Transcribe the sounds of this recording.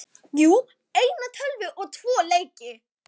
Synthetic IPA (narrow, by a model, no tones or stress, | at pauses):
juː | ejnat̪ʰœlvɪʔɔɣt̪ʰvɔːleːjcɪ